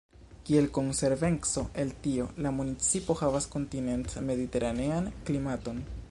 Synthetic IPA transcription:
kie̞lko̞nse̞ɾve̞nt͡so̞ʔe̞ltio̞lamunit͡sipo̞havasko̞ntine̞ntme̞dite̞ɾʔane̞anklimato̞n

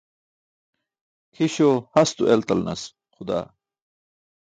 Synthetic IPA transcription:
kʰiɕoːhɐst̪uʔelt̪ɐlnɐ̰s | xud̪a̰ː

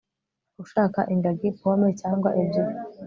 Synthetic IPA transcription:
uʃaːka̰ʔiŋɡaɡikuamecaːŋɡwaʔibjo

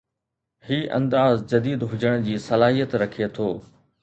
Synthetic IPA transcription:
hiːʔɐ̰̃nd̪aːzd͡ʑɐd̪iːd̪ɦʊd͡ʑəɽ̃d͡ʑiːsɐlaːɦijət̪ɾɐkʰiet̪ʰoː

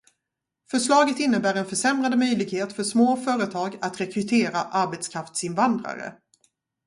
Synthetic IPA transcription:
fœʂɭɑːɡət̪ɪnːəbæːɾɛnfœʂɛmɾad̪əmœjlɪɡheːt̪fœʂmoːfœːɾət̪ʰɑːɡat̪ɾɛkɾɵt̪ʰeːɾaʔaɾbɛt̪skʰɾaft̪sɪnvand̪ɾa̰ɾə̰

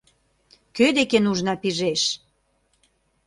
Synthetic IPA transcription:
kød̪ekenuʒnɑpiʒeʃ

